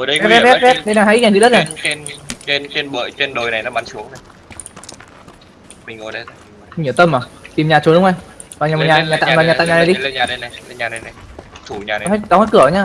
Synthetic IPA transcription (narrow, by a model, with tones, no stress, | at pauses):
kɛ˦˥ɛ˦˥ɛ˦˥p̚ɗe˧naː˨˩ɦa̰ː˧˥ʔ̚ɲa˨˩t͡ɕḭ˧˨˥ɗə˦˥ɲa˨˩jnt͡ɕe˧nt͡ɕe˧nɓə̰ː˧˨jt͡ɕe˧nɗo˨˩jna˨˩jnɔ˨˦ɓa˧˩nsu˨˦əŋɗə˧˦ | mï˨˩ŋŋo˨˩jɗə˨˧˦ɲi˧˩əwt̪ə˧mʔəː˨˩t̪i˨˩mɲaː˨˩t͡ɕu˨˦nɗʊ˨˦ŋ͡mʔa˧j | vaː˨˩ɲaː˨˩m˨˩ɲaː˨˩ɲaː˨˩t̪a̰ː˧˨mva˨˩ɲaː˨ta̰ː˧˨ɲaː˨˩na˨˩jɗi˧˦˧ɲaː˨˧˨jlə˧˦ɲaː˨˩na˨˩jna˨˩jt̪ʰu˧˩ɲaː˨˩ɔ˧˦ha˦˥ɗɔ˨˦ŋ͡mht̚kɨ˧˩ə˨˦ɲaː˧